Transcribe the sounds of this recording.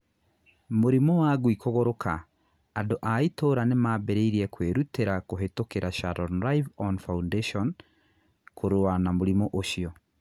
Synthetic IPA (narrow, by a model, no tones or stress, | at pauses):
moɾimɔwaɣwikɔɣɔɾokaː | doʔaitoːɾanemaːbɛɾeiɾiɛkweɾuteɾakoɦetokeɾaʃaɾɔnɾajvɔnfaundeʃɔn | kʰoɾoanamoɾimɔʔoʃiɔ